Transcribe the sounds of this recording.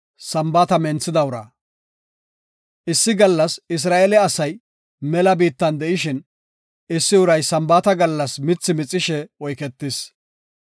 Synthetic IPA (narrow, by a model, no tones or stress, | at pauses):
sɐmbaːt̪ɐmɛnt͡sːɪd̪ɐʊɾɐ̰ | ʔɪsːɪɡɐlːɐsɪs̬ɾaːɛlɛɐsɐj | mɛlɐbiːt̪ːɐnd̪ɛʔɪʃɪn | ɪsːɪʊɾɐjsɐmbaːt̪ɐɡɐlːɐsmɪt͡sːɪmɪt͡sʼːɪʃɛɔjkɛt̪ːɪs